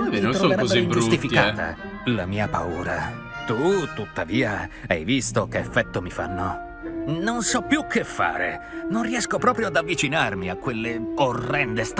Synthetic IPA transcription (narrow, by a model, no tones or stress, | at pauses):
iit̪ɾoveɾɛzbid͡ʒust̪ifikaːt̪a̰ | lamiːapa̰uːɾa̰ | t̪ut̪ut̪ːaviːaɛjvist̪okeːfːɛt̪ːomifa̰nːo | nonsɔpːjukʰːefːa̰ːɾḛ | nonriɛskopɾɔːpɾjoad̪avːit͡ʃinarmiakːwelːeorːɛnd̪est̪